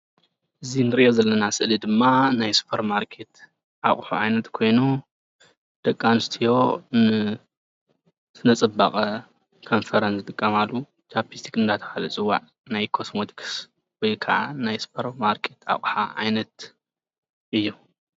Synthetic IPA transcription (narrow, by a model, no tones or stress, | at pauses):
ʔɨzinɨɾiʔozɐlːɐnasɨʔlid̪ɨmːanajsu̥pʰɐɾmaɾkʰe̞t̪ | ʔaʔʼħṵʕajnɐt̪kʰo̞jnu | d̪̥ɐkʼːanɨst̪ʰijo̞nɨ | sɨnɐt͡sʼɨba̰χʼɐ | kʰo̞nfɐɾɐnsɨt̪ʼɨkʼːɐmalːu | t͡ʃʰapist̪ʰi̥kɨnd̪at̪ʰɐ̥xalɨt͡sʼɨwːa̰ʕ | najkʰo̞smot̪ʰi̥kʰs | wɔjkʰɐ̰ʔanajsu̥pʰɐɾmaɾkʰe̞t̪a̰χʼħa̰ʕa̰jnɐt̪̚ | ʔɨjːu